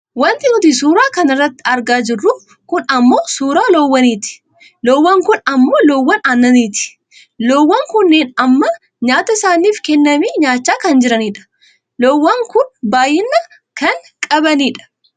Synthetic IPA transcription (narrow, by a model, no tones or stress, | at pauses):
wɐnt̪ɪnʊt̪isuːɾaːkɐnɪrːɐt̪ːɪɐɾɡaːd͡ʒɪrːʊ | kʊnɐmːo̞ːsuːɾaːloːwːɐniːt̪ɪ̥ | loːwːɐŋkʊnɐmːo̞ːloːwːɐnaːnːɐniːt̪ɪ̥ | loːwːɐŋkʊnːeːnɐmːɐ | ɲaːt̪ɐsaːniːfkɛnːɐmiːɲaːt͡ʃːaːkɐnd͡ʒɪɾɐniːᶑɐ̥ | loːwːɐŋkʊnbaːjɪnːɐ | kɐŋkʼɐbɐniːᶑɐ̥